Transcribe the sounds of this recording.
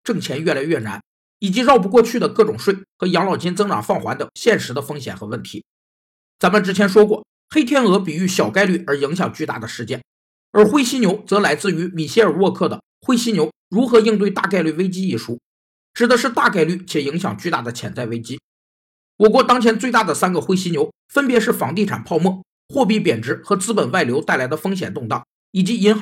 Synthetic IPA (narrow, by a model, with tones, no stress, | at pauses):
ʈ͡ʂɤ˥˩ŋt͡ɕʰjɛ˧˥nɥɛ˥˩la˧˥ɪɥɛ˥˩na̰˧˥n | i˨˩t͡ɕi˧˥ɻɑ˥˧ʊpu˧˥kwɔ˥˧t͡ɕʰy˥˩d̪ə˩kɤ˥˩ʈ͡ʂʊ˨˩ŋʂwe˥˩ɪxɤ˧˥jɑ˧˥ŋlɑ˨˩ʊt͡ɕi˥nt͡sɤ˥ŋʈ͡ʂɑ̰˨˩ŋfɑ˥˩ŋxwa˧˥nd̪ə˧˨ɕjɛ˥˩nʂɻ̩˧˥d̪ə˧fɤ˥ŋɕjɛ̰˨˩nxɤ˧˥wə˥˩nt̪ʰḭ˧˥ | t͡sa˧˥nmə˨˧ʈ͡ʂɻ̩˥t͡ɕʰjɛ˧˥nʂ̬wɔ˥kwɔ̰˥˩ | xe˥ɪt̪ʰjɛ˥nɤ˧˥pi˨˩y˥˩ɕjɑ˨˩ʊka˥ɪly˥˩ə˞˧˥i˧˥ŋɕjɑ˨˩ŋt͡ɕy˥˧t̪a̰˥˩d̪ə˩ʂɻ̩˧˥t͡ɕjɛ̰˥˩n | ə˞˧˥xwe˥ɪɕi˥njo˧˥ʊt͡sɤ˧˥la˧˥ɪt͡sɹ̩˥˩y˧˥mi˨˩ɕjɛ˥ə˞˨˩wɔ˥˧kʰɤ˥˩d̪ə̰˩ | xwe˥ɪɕi˥njo˧˥ʊ | ɻu˧˥xɤ˧˥i˥˧ŋt̪̬we˥˧ɪt̪a̰˥˧ka˥˧ɪly˥˩we˥ɪt͡ɕi˥i˥˩ʂu˥ | ʈ͡ʂɻ̩˨˩d̪ə˦ʂɻ̩˥˧t̪a˥˧˩ka˥˧ɪly˥˩t͡ɕʰjɛ˨˩i˧˥ŋɕjɑ˨˩ŋt͡ɕy˥˧t̪a̰˥˩d̪ə˩t͡ɕʰjɛ̰˨˩nt͡sa˥˩ɪwe˥ɪt͡ɕi˥ | wɔ˨˩kwɔ˥˩t̪ɑ˥ŋt͡ɕʰjɛ˧˥nt͡swe˥˧ɪt̪a˥˩d̪ə˩sa˥nɡə˨˩xwe˥ɪɕi˥njo˧˥ʊ | fə˥npjɛ˧˥ʂɻ̩˥˩fɑ˧˥ŋt̪i˥˩ʈ͡ʂʰa̰˨˩npʰɑ˥˧ʊmwɔ˥˩ | xwɔ˥˧p̬i˥˩pjɛ˨˩nʈ͡ʂɻ̩˧˥xɤ˧˥t͡sɹ̩˥pə˨˩nwa˥˩ɪljo˧˥ʊt̪a˥˩ɪla˧˥ɪd̪ə˧fɤ˥ŋɕ̬jɛ̰˨˩nt̪ʊ˥˧ŋt̪ɑ˥˩ʊ | i˨˩t͡ɕi˧˥i˧˥nx